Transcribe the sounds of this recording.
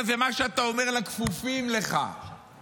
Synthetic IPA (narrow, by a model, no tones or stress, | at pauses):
vemaʃeat̪aomeʁlakfufimleχa̰